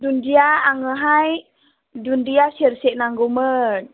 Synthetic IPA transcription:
dundiaaŋəɦaj | dundiasirsiʔnaŋɡumən

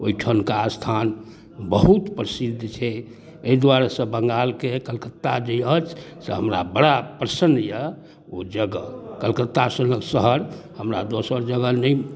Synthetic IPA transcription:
oiʈʰənkast̪ʰan | bəɦut̪pɾəsid̪t͡ʃʰɛ | eid̪waɾasə̃bəŋɡalkekəlkət̪ːad͡ʒəjət͡ʃʰsə̰ɦəmɾa̰bəɽapɾəsəndjə | od͡ʒəɡəkəlkət̪ːasənəksəɦəɾhəmɾad̪osəɾd͡ʒəɡənəj

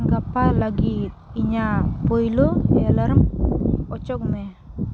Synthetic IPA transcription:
ŋkapalaɡit̪̚iɲapojloelaɾmɔt͡ʃɔkmɛ

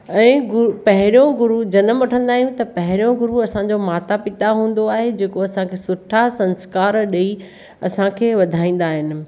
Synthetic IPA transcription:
ɛ̃ːɡʊpɐɦɪɾijõɡʊɾud͡ʑɐnəmʋɐʈʰə̃nd̪aːɦijũt̪ɐpɐɦɪɾijõɡʊɾuɐsãɲd͡ʑomaːt̪apɪt̪aɦũːn̆d̪oaːɦed͡ʑeːkoɐsãkʰeːsʊʈʰasɐ̃nskaːɾɗei | ɐ̰sãkʰeːʋɐd̪ʱaːĩːn̆d̪aːɦɪnɪ̆

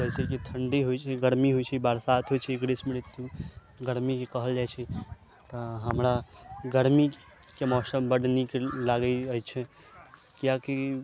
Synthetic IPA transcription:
d͡ʒɛɦsekit̪ʰəɳɖiɦojt͡ʃʰɛɡəɾmiɦojt͡ʃʰɛibaɾsat̪ʰɦojt͡ʃʰɛɡɾesmeɽet̪ːu | ɡəɾmikekəɦəld͡ʒajt͡ʃʰɛ | t̪ɔɦəmɾaɡəɾmi | kemɔsəmbəɽnikelaɡəət͡ʃʰɛ | kjaki

